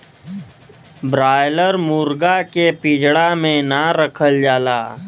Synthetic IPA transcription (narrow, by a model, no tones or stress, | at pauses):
bɾaːjləɾmuːɾɡakepɪd͡ʒʱɽamẽnaɾəkʰəld͡ʒaːlaː